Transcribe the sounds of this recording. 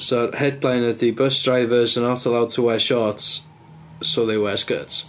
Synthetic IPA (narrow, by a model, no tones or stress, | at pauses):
sɔhɛdlˠajnədibəsd̥ɹajvəzənɔtʰəlˠawd̚tʰəwɛʃɔt | soðewɛsɡ̥ə̰ts